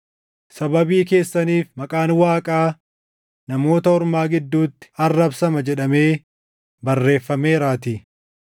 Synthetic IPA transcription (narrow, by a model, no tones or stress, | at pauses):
sɐbɐbiːke̞ːsːɐniːfmɐkʼaːnwaːkʼaː | nɐmo̞ːt̪ɐɔɾmaːɡɪd̪ːuːt̪ːɪ̥ɐrːɐbsɐmɐd͡ʒɛᶑɐme̞ː | bɐrːe̞ːfːɐme̞ːɾaːt̪i